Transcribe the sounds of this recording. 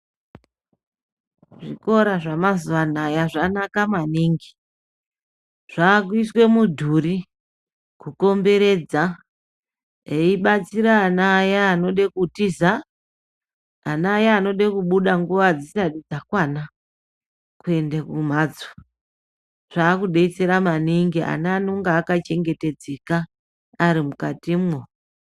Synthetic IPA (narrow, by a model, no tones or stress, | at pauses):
ʐiko̞ɾaʐamazuʋanajaʐanakamaniːŋɡi | ʐ̥aːkwiswe̞mudʱuri | kuko̞mbe̞ɾe̞d͡za | eiɓat͡siɾaːnaːjaːno̞ɗekutiza | naːjaːno̞ɗekuɓuɗaŋɡuʋad͡zisaɗid͡zakwana | kue̞ndakum̤aːd͡zwa | ʐ̥aːkuɗe̞it͡se̞ɾamaniŋɡiʔa̰naːnoŋɡaːkat͡ʃe̞ŋɡe̞te̞d͡ze̞kaː | ɾimukatimŋo